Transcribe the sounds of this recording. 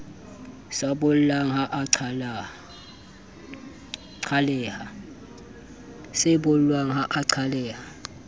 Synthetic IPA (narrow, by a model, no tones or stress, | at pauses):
sabʊl̩laŋɦaʔʰ | ǀʰalɛːha | sɪbʊl̩lwaŋ̩ɦaʔaǀʰalɛːha